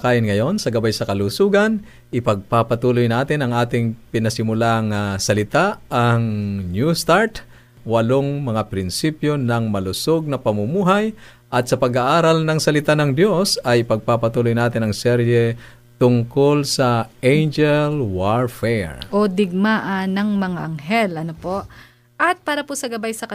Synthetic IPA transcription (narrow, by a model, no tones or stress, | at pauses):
kaːjɪnŋɐjo̞nsɐɡɐbajsɐkɐlusuːɡɐn | ʔɪpɐɡ̚papɐt̪uːlojnaːt̪ɪnɐŋʔaːt̪ɪŋpɪnɐsɪmʊlaŋasɐlɪt̪aʔɐŋnjust̪aɹt̪ | wɐloŋmɐŋapɾɪnsipjonɐŋmɐlʊsoɡ̚nɐpɐmʊmuːɦaj | ʔɐt̪̚sɐpɐɡaʔaːɾɐlnɐŋsɐlɪt̪anɐŋd̪jo̞sɐjpɐɡ̚papɐt̪uːlojnaːt̪ɪnɐŋsɛɾjɛ | t̪ʊŋkolsɐʔɛjnd͡ʒɛlwaɹfɛɹʔod̪ɪɡ̚maʔanɐŋmɐŋaʔɐŋɦɛlɐnopoʔ | ʔɐt̪̚paːɾɐposɐɡɐbajsɐkɐ